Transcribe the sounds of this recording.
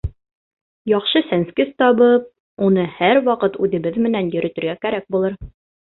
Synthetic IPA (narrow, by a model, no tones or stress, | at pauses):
jɒχʃɤsænskɘðt̪ɒβɤp̚ | unɤhæɾwɑqɤt̪ʉðɘ̆bɘðmɘ̆nænjɵ̆ɾɵ̆t̪ɘ̆ɾɡækæɾæk̚bulˠɤɾ